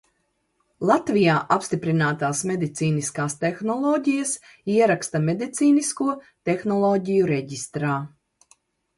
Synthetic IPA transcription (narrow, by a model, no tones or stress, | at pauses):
lˠat̪vijaːʔapst̪ipɾinaːt̪aːsmed̪it̪siːniskaːst̪exnɔlˠɔːɟʲijas | iɛɾakst̪amed̪it̪siːniskuɔ | t̪exnɔlˠɔːɟʲijuɾɛɟist̪ɾaː